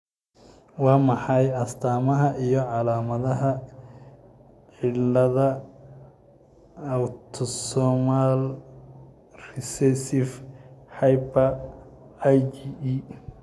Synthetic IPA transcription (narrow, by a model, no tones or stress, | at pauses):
wɑːmɑħɑjɐst̪ʰaːmɐɦɐʔijɞʕɑlaːmɐðɐɦɐ | ħɪlnlɐðɐ | ɐwt̪ʰɔsɔmal | rɪsɛsɪfhɑjpɐ | jd͡ʒii